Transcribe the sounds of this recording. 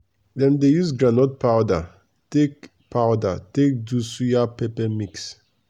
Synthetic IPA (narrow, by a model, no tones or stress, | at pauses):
dɛ̃mdejusɡɾanɔt̚paʊda | tek | pʰaʊdatek̚dusujapɛpɛmiks